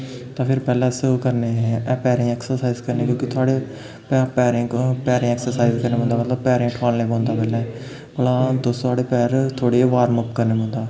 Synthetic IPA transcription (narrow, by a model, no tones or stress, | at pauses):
t̪ãːpʰɪɾpɛːlɛ̃ːsəkəɾneːɛːpɛːɾẽːɛːksəɾsaːizkəɾneːkjõːkit̪ʰʊaːɽeː | pɛpɛːɾẽːpɛːɾẽːɛːksəɾsaːizkəɾneːɦõːnd̪aːmət̪ləbpɛːɾẽːʈʰaːlneːbɔ̃ːnd̪aːpɛːlɛ̃ː | pəlãːt̪ost̪ʊaːɽeːpɛːɾt̪ʰoːɽeːʋaːɾməpkəɾneːbõːnd̪aː